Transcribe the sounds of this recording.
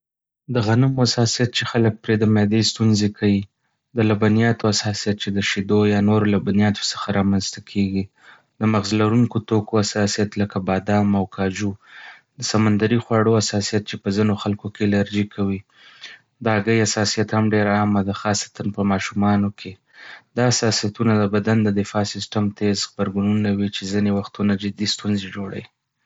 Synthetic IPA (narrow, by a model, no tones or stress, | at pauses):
d̪əɣanamoasɑsijat̪̚t͡ʃexalək̚pɾed̪amjɑd̪əst̪unzekʰawi | d̪əlabanijɑt̪oasɑsijat̪̚t͡ʃed̪əʃid̪ojɑnoɾolabanijɑt̪o̥sə̥xaɾɑmanzt̪akʰeɡi | d̪əmaɣzlaɾuŋkot̪okoasɑsijat̪ləkabɑd̪ɑmawkʰɑd͡ʒud̪əsamand̪aɾixwɑɽoasɑsijat̪̚t͡ʃepəzinoxalkokelaɾd͡ʒikʰawi | d̪əɑɡəjasɑsijat̪hamɖeɾaːmad̪axɑsḁt̪anpəmɑʃumɑnokʰe | d̪ɑasɑsijat̪unad̪əbad̪and̪əd̪ɪfɑsɪsʈamt̪ezɣbaɾɡununawit͡ʃezinewaxt̪unad͡ʒɪd̪ist̪unzed͡ʒoɽa̰wi